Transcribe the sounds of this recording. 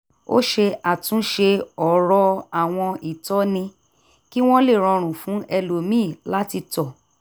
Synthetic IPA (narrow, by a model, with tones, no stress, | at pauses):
o̰˦ʃe˧a˨tũ˨˦ʃe˧ɔ˨ɾɔ˧a˨w̃ɔ̃˧i˨tɔ˦nĩ˧ | ki˦w̃ɔ̃˦le˦˨ɾ̃ɔ̃˧ɾ̃ũ˨fũ˨˦ʔɛ˧lo˨mĩː˦˨la˦ti˧tɔ˨